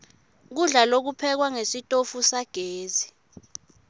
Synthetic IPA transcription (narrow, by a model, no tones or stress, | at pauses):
k̬uɮalok̬upʰɛk̬waŋesitʼofusaɡ̥ʱeːzi